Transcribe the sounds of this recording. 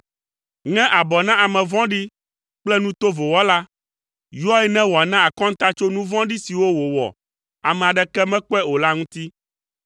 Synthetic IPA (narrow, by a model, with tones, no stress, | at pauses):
ŋɛ̃˦ʔa˨bɔ˨nã˦a˨mɛ̃˨vɔ̃˦ɖi˦ | k͡plɛ˦nũ˦t̪o˦vo˨wɔ˦la˦ | jɔ˦ɛ˦nɛ̃˦wɔ˨a˨nã˦a˨kɔ̃˦ŋ̩˦t̪a˦t͡ʃo˦nũ˦vɔ̃˦ɖi˦si˨wo˦wo˨wɔ̰˨ | a˨mɛ̃˨a˨ɖɛ˨kɛ˦mɛ̃˦k͡pɛ˦o˨la˦ŋũ˦t̪i˦